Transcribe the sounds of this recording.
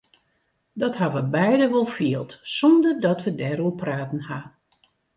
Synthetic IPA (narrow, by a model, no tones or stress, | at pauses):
dɔtɦaʋəbɛjdəʋɔlˠfiəlˠtsɔndərdɔtʋədɛɾupraːtən̩ha